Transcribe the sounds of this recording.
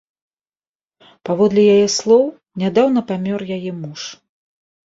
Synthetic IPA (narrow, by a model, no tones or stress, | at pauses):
pavɔd̪lʲijajɛslˠɔw | nʲad̪awnɐpamʲɔrjajɛmuʂ